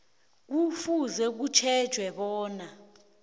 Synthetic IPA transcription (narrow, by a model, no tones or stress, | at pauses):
k̬ufuzɛk̬ut͡ʃʰɛ̥ʒ̥ʱwɛɓɔːna